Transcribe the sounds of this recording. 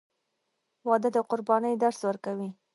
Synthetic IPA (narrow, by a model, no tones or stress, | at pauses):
wɑd̪əd̪əqʊɾbɑnəjd̪aɾswəɾkawi